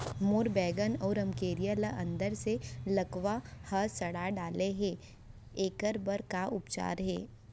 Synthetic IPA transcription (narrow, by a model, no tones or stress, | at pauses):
moːɾbɛːɡənɔːɾɐ̃mkeːɾijaləʔɐ̃nd̪əɾselɐkʋahəsɐɽaɖaːleɦɛː | eːkəɾbəɾkaʔʊpt͡ʃa̰ːɾɦɛ̰ː